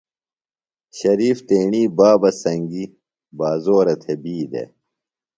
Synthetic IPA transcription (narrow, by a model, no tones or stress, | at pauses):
ɕɐɾiːft̪eːɳiːbaːbɐsɐŋɡi | baːzoːɾɐt̪ʰebiːd̪ḛ